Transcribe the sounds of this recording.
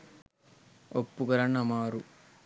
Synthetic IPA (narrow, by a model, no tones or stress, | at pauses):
opːukɐɾɐnɐmaːɾu